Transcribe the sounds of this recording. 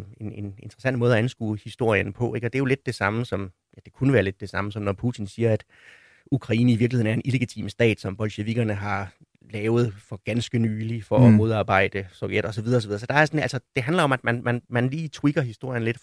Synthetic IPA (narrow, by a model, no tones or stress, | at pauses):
e̝nene̝nd̥ʁɐsæn̰d̥mɔːð̞ˠɒænsɡ̥ṵːhisd̥o̝ɐ̰jənpʰɒ̽ʔe̝ɡ̥ɒ̽d̥e̝æjo̝le̝d̥̚ːe̝sɑ̈məsɒ̽m | jæd̥e̝kʰunəʋæːɐle̝d̥e̝sɑ̈məsɒ̽mnɒpʰut͡sʰinsiːɐæd̥ | ukʰʁɑ̈ḭːnəiʋiɐklihḛn̩æɐenʔile̝ɡ̥it͡sʰḭmsd̥ɛ̰ːd̥sɒ̽mb̥ɒ̽lɕeʋiɡ̥ɐnəɦɑ̈ | lɛːʊð̞̩ˠfɒ̽ɡ̥ænsɡ̥ənyːlifɒ̽ɒmo̝ð̞ˠɑ̈ːb̥ɑ̈ɪ̰d̥əsɒʊjed̥ɒ̽sɒʋiðˠɐɒsɒ̽ʋiðˠɐsɒ̽d̥ɑ̈æɐsɒnæl̰sɒ̽d̥e̝ɦænlɐɒ̽mæd̥mænmænmænliːt͡sʰwiɡ̥ɐɦisd̥o̝ɐ̰jən̩le̝d̥